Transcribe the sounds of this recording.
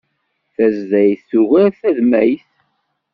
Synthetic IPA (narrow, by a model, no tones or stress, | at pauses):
θæzːæjθuʝæɾθæðmæjθ